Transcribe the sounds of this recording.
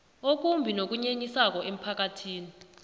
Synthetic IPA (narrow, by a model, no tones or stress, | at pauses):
ok̬ʼumbʱinok̬uɲeɲisak̬ɔʔem̩pʰak̬atʰiːni